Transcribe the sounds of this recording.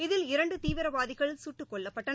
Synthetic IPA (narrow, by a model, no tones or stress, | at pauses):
ɪðɪlɪɾɐɳɖɯt̪iːʋɪɾɐʋaːðɪɣɐɭsuːʈːɯkːɔɭːɐpːɐʈːɐn